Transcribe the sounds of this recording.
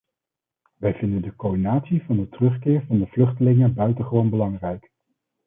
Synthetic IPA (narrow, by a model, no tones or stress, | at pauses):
ʋɛjvɪndəndəkowdinaːtsivɑndətərɵχkɪːɹvɑndəv̥lɵχtəlɪŋənbœɥtəχəʋownbəlɑŋrɛjk